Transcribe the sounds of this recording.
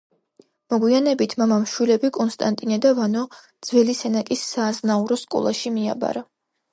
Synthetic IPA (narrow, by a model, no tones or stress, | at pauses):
mɔɡwianɛbit̪ʰmamamʃwilɛbikʼɔnst̪ʼant̪ʼinad̪avanɔd̪z̥vɛlisɛnakʼisːaːznauɾɔskʼɔ̰lˠaʃimia̰ba̰ɾa